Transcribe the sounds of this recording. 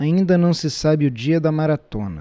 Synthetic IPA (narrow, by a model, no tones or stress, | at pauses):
aĩnd̪ɐnɐ̃w̃sɪsabɪʊd͡ʒiɐd̪ɐmaɾat̪õ̰nɐ̰